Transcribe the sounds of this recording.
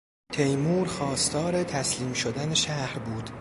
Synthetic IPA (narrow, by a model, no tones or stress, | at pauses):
t̪ʰejmuːɾxɒːst̪ʰɒːɾe̞t̪ʰæsliːmʃod̪æneʃæhɾbuːd̪̥